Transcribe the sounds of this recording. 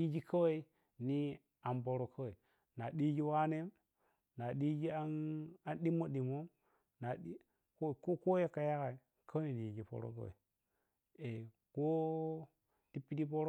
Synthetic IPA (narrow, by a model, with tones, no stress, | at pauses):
i˦d͡ʒi˦kʰa˦we˦i˦ | ni˦ | a˨mbo˨ɾo˨kʰa˦we˨ | na˨ɗi˦d͡ʒi˦wa˦ne˦m | na˨ɗi˦d͡ʒi˦a˦na˨nɗi˦mo˦ɗi˨mo˦m | na˨ɗi˦ | ko˦˨ko˦ko˦je˦kːa˨ja˦ka˨i˨ | kʰa˦we˦i˨ni˨i˨d͡ʒi˨po̰˨ɾo̰˦ka̰˦wḛ˨ | e˨ | ko˦ | ti˦pi˦di˦po˦ɾo˦